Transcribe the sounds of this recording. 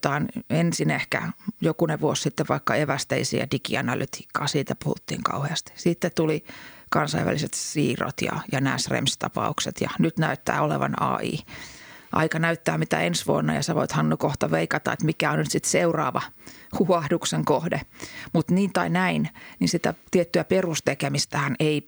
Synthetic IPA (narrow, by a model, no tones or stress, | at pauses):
t̪ɑːnensinehkæ̰jokuneʋuossit̪ːeʋʋɑikːɑeʋæst̪eisḭæ̰dikiɑnɑlyt̪i̥ːkːɑːsiːt̪æpuhṵt̪ːḭːŋkɑ̰uheɑst̪i̥sit̪ːet̪ulikɑnsɑiʋæ̰liset̪siːro̰t̪jɑ̰jɑnæːsrḛmst̪ɑpɑukset̪jɑnyt̪næyt̪ːæ̰ːolḛʋɑ̰nɑ̰ːḭː | ʔɑ̰ikɑnæyt̪ːæːmit̪æ̰ensʋuonːɑ̰jɑsɑʋo̰it̪hɑnːukoht̪ɑʋeikɑt̪ɑet̪mikæonnyt̪sit̪seurɑ̰ːʋɑhuɑhdukseŋkohdemut̪niːnt̪ɑinæinninsit̪æ̰t̪iet̪ːyæperust̪ekemist̪æhænei